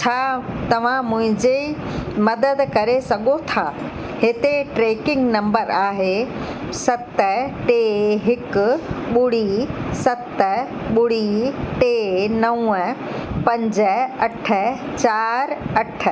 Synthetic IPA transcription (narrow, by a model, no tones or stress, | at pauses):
t͡ɕʰaːt̪ɐʋ̤ãmʊ̃ɦɪ̃ɲd͡ʑe | mɐd̪əd̪kɐɾesɐɡot̪ʰaː | ɦɪt̪eʈɾeːkɪ̃ŋɡnɐ̃mbəɾaːɦe | sɐt̪əʈeːɦɪkʊ̆ɓʊɽ̤isɐt̪ə | ɓʊɽ̤iʈeːnɐũ | pɐ̃ɲd͡ʑə̆ɐʈʰə̆ | t͡ɕaːɾɐʈʰə̆